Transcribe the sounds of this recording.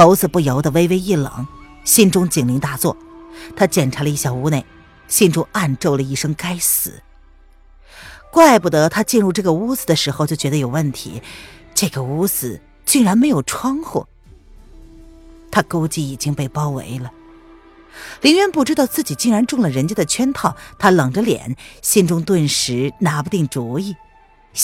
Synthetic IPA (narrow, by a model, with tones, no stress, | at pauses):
o˧˥ʊsɹ̩˨˩pu˥˩jɑ˧˥ʊd̪ə˧we˥ɪwe˥ɪi˥˩lɤ̰˨˩˦ŋ | ɕi˥nʈ͡ʂʊ˥ŋt͡ɕi˨˩ŋli˧˥ŋt̪a˥˧t͡swɔ˥˩t̪ʰa˥t͡ɕjɛ˨˩nʈ͡ʂʰa˧˥lə˧i˥˩ɕjɑ˨˩ʊu˧˥ne˥˩ɪ | ɕi˥˩nʈ͡ʂʊ˥ŋa˥˧nʈ͡ʂo˥˩ʊlə˩i˥˩ʂɤ˥ŋka˥ɪsɹ̩̰˨˩˦ | kwa˥˧ɪpu˥˩d̪ə˧˥t̪ʰa˥t͡ɕi˥˧nɻu˥˧ʈ͡ʂɤ˥˩ɡə˩u˥sɹ̩˧d̪ə˩ʂɻ̩˧˥xo˧ʊt͡ɕjo˥˩ʊt͡ɕɥɛ˧˥d̪ə˧jo˨˩ʊwə˥˩nt̪ʰḭ˧˥ | ʈ͡ʂɤ˥˩ɡə˩u˥sɹ̩˥˧ | t͡ɕi˥˩ŋɻa˧˥nme˧˥ɪjo˨˩ʊʈ͡ʂʰwɑ˥ŋxwɔ̰˥˩ | t̪ʰa˥ko˥ʊt͡ɕi˥˩i˨˩t͡ɕi˥ŋpe˥˩ɪpɑ˥ʊwḛ˧˥ɪlə˨ | li˧˥nɻɛ˧˥npu˥˩ʈ͡ʂɻ̩˥t̪ɑ˥˧ʊt͡sɹ̩˥˩t͡ɕi˨˩t͡ɕi˥˩ŋɻa˧˥nʈ͡ʂʊ˥˩ŋlə˩ɻə˧˥nt͡ɕjɛ˥d̪ə˨t͡ɕʰɥɛ˥nt̪ʰɑ˥˩ʊt̪ʰa˥lɤ˨˩ŋʈ͡ʂə˦ljɛ̰˨˩˦nɕi˥˧nʈ͡ʂʊ˥ŋt̪wə˥˩nʂɻ̩˧˥na˧˥pu˧t̪i˥˩ŋʈ͡ʂu˧˥i˥˩